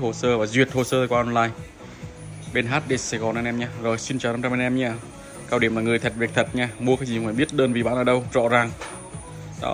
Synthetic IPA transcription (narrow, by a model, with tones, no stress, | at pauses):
ho˨˩səː˧vaː˨˩zwət̚ho˨˩səː˧˨˧kwaː˧˨ɔ˧nlaː˧j | ɓe˧nɦaː˦˥t̚ɗe˧˩saː˧˩jɣɔ˨˩nʔaː˧nʔɛ˧mɲaː˧zo˨˩jsi˧nt͡ɕːwna˧mt͡ɕɔ˧ma˧nʔɛ˧mɲaː˧ | kaː˧˩wɗi˨˩əmlaː˨˩ŋɨ˨˩əjt̪ʰa˨˩k̚vi˨˩k̚t̪ʰə˨˩t̚ɲaː˧mu˧əkaː˦˥kzi˨˩m˨faː˧˨˩ɓi˦˥ət̚ɗəː˧nvi˨˩ɓa̰ː˧˨nəː˨˩ɗə˧wzɔ̰˧˥zaː˨˩ŋ | t̪a̰ː˧˦˨